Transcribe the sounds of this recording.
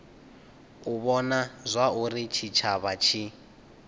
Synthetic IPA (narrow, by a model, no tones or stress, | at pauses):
uβɔnazʷaurit͡ʃʰit͡ʃʰaβat͡ʃʰi